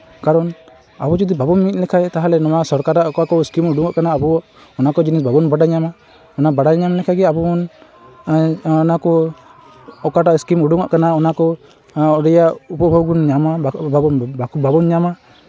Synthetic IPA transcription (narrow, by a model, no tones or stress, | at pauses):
kaɾɔn | a̰bɔd͡ʒɔd̪ibabɔnmit̪̚lɛkʰajt̪aɦalɛnɔwasɔɾkaɾaʔɔkakɔskimuɖuŋaʔkanaːbɔ | ɔnakɔd͡ʒinisbabɔnbaɖaɲama | ɔnabaɖaɲamlɛkʰaɡɛabɔmɔn | ɔnakɔ | ɔkaɾaiskimuɖuŋaʔkanaɔnakɔ | ɔdɛjaupɔbaɡunɲamababɔnbakubabɔnɲama